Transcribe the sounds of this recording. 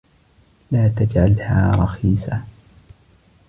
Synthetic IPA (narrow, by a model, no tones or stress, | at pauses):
laːt̪ad͡ʒʕalhaːɾˤɑxiːsaː